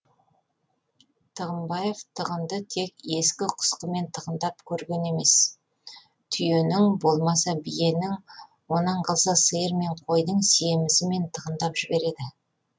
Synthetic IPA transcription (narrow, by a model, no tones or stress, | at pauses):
t̪ʰəʁəmbɑje̞vt̪ʰəʁənd̪ət̪ʰe̞ke̞skʲɪqʰʊ̥sqəme̞nt̪ʰəʁənd̪ɑp̚kʲʰɵɾɡʲe̞ne̞me̞s | t̪ʰʏje̞nɪŋbo̞lˠmɑsɑbije̞nɪŋ | wo̞nɑɴqʰɑlˠsɑsəjəɾme̞ɴqʰo̞jd̪əɴsijemɪsɪme̞nt̪ʰəʁənd̪ɑpʒ̥ɪbe̞ɾe̞d̪ɪ